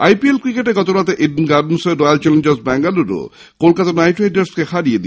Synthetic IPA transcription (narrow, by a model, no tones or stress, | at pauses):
ajpielkɾikeʈeɡɔt̪oɾat̪eʔeɖnɡaɾɖnseɖɔjalt͡ɕɛlend͡ʑesbɛŋɡaluɾo̰ | kolkat̪anajʈeɖeɾskexʰaɾijed̪i